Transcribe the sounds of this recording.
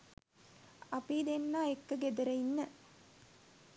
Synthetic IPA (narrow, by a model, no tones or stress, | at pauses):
ɐpid̪enːaːekːəɡed̪ɐɾɐinːə